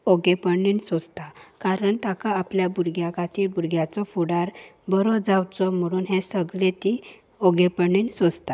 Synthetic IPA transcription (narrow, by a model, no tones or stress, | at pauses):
ɔɡepəɳinsod͡zt̪akaɾəɳt̪akaːpljabuɾɡjakat̪iːlbuɾɡjat͡sɔfuɽaɾbəɾɔd͡zawt͡sɔm̤əɽ̃uːnɦɛ̃səɡlẽt̪i | ɔɡepəɳinsod͡zt̪a